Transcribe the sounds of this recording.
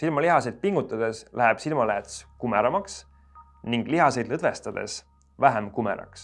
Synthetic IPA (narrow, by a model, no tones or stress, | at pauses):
silmɑliɦɑsed̪̥̚piŋɡ̥ut̪ːˑɑd̪̥e̞slæɦɛb̥silmɑlæt̪skumeɾɑmɑks | niŋɡ̥liɦɑse̞jd̪lɤd̪ve̞st̪ɑd̪̥e̞̰s | væɦæmkumḛɾɑ̰ks